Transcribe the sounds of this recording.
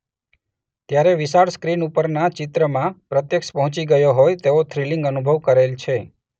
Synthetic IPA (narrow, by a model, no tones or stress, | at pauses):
t̪jaɾeʋɪsaɾskɾinupəɾnat͡ʃɪt̪ɾəmãpɾət̪jəkʃpəɦʊ̃t͡ʃiɡəjoɦojt̪eot̪ʰɾilĩŋɡənubʱəʋkəɾelt͡ʃʰe